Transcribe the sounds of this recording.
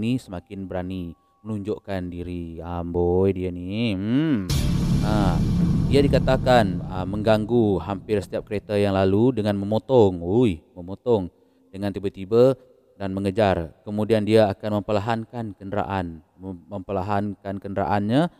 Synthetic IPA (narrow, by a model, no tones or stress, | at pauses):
nisəmakɪnbəɾani | mənuɲd͡ʒoʔkandiɾiəmbojdiani | a | diadikat̪akanəmːəŋɡaŋɡuɦampɪrsə̥t̪iap̚kəɾet̪ajaŋlaludəŋanməmot̪ɔŋujməmot̪ɔŋ | dəŋant̪ibət̪ibə | danməŋəd͡ʒarkəmudiandiaːkanməmpəlaɦankankəndəɾa̰ʔan | məmpəlaɦankankəndəɾa̰ʔanɲa